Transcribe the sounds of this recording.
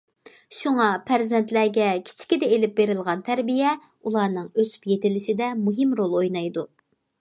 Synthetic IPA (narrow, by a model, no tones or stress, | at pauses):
ʃuŋɑpʰæɾzɛnt̪læɡʲɛkʲʰi̥t͡ʃʰi̥kʲid̪ɛelɪp̚beɾɪlˠʁɑnt̪ʰæɾbijɛ | ulˠɑːnɨŋøsy̥pjet̪ɪlɪʃɪd̪ɛmuɦɨmɾolˠojnɑjd̪u